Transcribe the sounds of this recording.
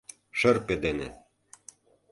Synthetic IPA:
ʃɤ̆rped̪enḛ

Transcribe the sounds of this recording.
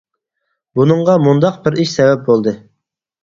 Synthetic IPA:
bunɨɴʁɑmund̪ɑq̚bɪɾiʃsɛvɛp̚bolˠd̪ɨ

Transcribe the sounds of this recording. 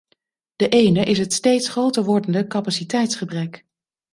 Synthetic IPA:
d̥əʔejnəʔɪsɦətstejtsχrowtəɹʋɔɹdəndəkɑpasitɛjtsχəbrɛk

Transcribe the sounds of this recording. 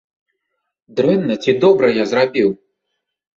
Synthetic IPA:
d̪ɾɛnːɐt͡sʲid̪ɔbɾɐjazrabʲiw

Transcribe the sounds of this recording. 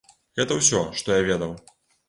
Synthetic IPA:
ɣɛt̪ɐwsʲɔʂt̪ɔjavʲɛd̪ɐw

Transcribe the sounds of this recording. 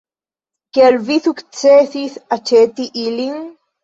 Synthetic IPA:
kelviθukt͡seθiθat͡ʃet̪iʔiliŋ

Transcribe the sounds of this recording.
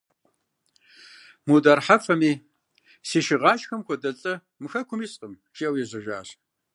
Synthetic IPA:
mudaːrħafɐmiː | siːʃɪʁɑːʃxɐmxʷʰɔdɐt͡sʼɐ | mɨxɐkʷʰʊmiːsʼqʼəm | ʃiɐwjɛzʷɐʒa̰ː

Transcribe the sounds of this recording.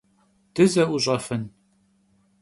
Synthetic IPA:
d̥ɨzɐʔuʑʼɐfɨn

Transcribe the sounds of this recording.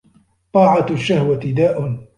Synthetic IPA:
t̪ˤɑːʕaʃːahwat̪ɪd̪aːʔʊn

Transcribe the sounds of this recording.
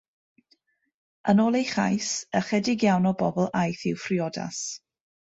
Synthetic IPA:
ənoːlˠejχa̰jsəχɛdɪɡjawnɔbɔbɔlˠʔajθɪwfrɪɔda̰s

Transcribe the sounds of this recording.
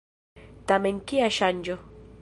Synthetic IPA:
t̪ameŋkiaʃand͡ʒo

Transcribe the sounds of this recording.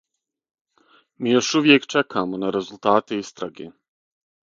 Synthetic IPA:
miːjoʃuʋjekt͡ʃekʰaːmonaɾezult̪aːt̪eist̪ɾaɡe

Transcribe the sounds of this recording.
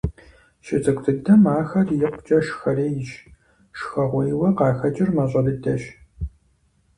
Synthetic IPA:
ʃɪt͡sʼɨkʷʼtʰɨdɐmaːxɐrjɪqʷʊt͡ʃʼɐʃxɐreːjɪt͡ʃ | ʂxɐʁʷɔjwɐqɑːxɐd͡ʒɪrmɐɕʼɐdɨdɐʃ

